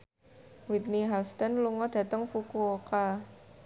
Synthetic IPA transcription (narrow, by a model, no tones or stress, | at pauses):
wit̪̚niɦast̪ɛnluŋɔɖ̥ä̤t̪əŋfukuoka